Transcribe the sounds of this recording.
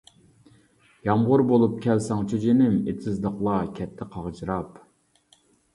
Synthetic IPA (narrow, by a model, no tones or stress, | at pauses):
jɑmʁʊɾbolˠup̚kʲʰɛlsɑŋt͡ʃʰyd͡ʒenɪmet̪ʰɪzd̪əqlˠɑkʲʰɛt̪ʰːɪqʰɑʁt͡ʃɾɑp